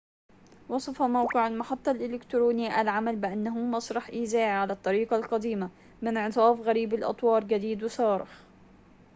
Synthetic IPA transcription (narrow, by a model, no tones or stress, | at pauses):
wɑsˤɑfamawqɪʕalmaħɑt̪ˤːɑlʔɪlɪkt̪ɾuːnɪjːʔalʕamalbɪʔanːaɦʊmɑsˤɾˤɑħʔiːzaːʔʕalat̪ˤːɑɾiːqɑlqɑd̪iːma | mɪnʕɨsˤɑːfɣaɾiːbalʔɑ̰t̪ˤwɑːɾˤɡad̪iːd̪wɪsɑːɾɪ̰x